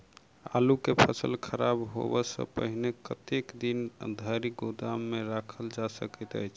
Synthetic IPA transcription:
a̰lukepʰəsəlkʰəɾabɦo̰bəsə̰pə̰ɦinekət̪ekd̪ind̪ʱəɾiɡod̪amːeɾakʰəld͡ʒasə̰kɛt̪ə̰jt͡ʃʰ

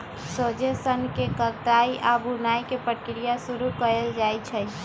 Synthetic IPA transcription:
sod͡ʒesənkekəɾt̪aiʔabunajkepəkɾijasuɾukəɾeld͡ʒajt͡ʃʰə

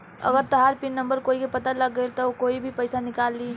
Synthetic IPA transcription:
ə̰ɡəɾt̪ɐɦaːɾpɪnːɐ̃mbəɾkoːikepɐt̪aləɡːəelt̪ɔokoːibʱipəɪsanɪkaːlːiː

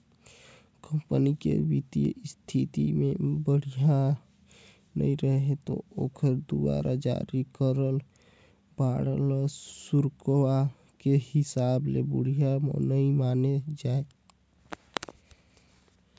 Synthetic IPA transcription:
kəmpənikḛbit̪iə̰st̪ʰit̪ḭmebəɽ̤ija | nə̰iɾəɦet̪o̰okʰəɾd̪uwa̰ɾad͡ʒa̰ɾikəɾəl | baɽəlsuɾkwa | kehɪsablebuɽ̤ijamə̰nəimaned͡ʒae

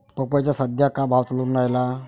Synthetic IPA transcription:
pəpat͡ɕjasəd̪ʱjakabʱaʋt͡saluːnːajla

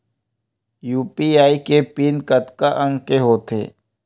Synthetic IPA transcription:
juːpiaːikepiːnkət̪kaʔə̃ŋɡkeɦoːt̪ḛː

